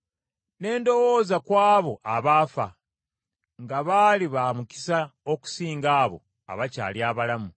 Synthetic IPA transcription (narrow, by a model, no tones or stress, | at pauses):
ne̞ːndo̞wo̞ːzakwaːβo̞ʔaβaːfa̰ | ŋɡaβaːliβamuki̥saoku̥siːŋɡaːβo̞̰ | a̰βaca̰ːljaːβalamu